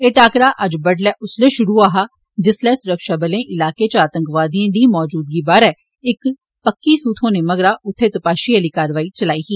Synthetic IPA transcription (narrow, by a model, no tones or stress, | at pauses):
eːʈaːkɾaːʔəd͡ʒbəɖlɛːʔʊsleːʃʊɾuːaːɦaː | d͡ʒɪslɛːsʊɾəkʃaːbəlẽːʔɪlaːkeːt͡ʃaːt̪ə̃ŋkʋaːd̪iãːd̪iːmɔːd͡ʒuːd̪̚ɡiːbaːɾɛː | ɪk | pəkːiːsuːt̪ʰɦõːneːməɡɾaːʔʊt̪ʰːeːt̪əpaːʃiːəliːkaːɾʋaːiːt͡ʃəlaːiːɦiː